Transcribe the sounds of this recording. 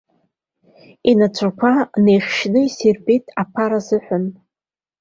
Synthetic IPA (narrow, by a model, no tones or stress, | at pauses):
inat͡ʃʷʰakʷʰanejχʲʃnɨiserbʼejtʰʼapʰaɾazɨħʷʊn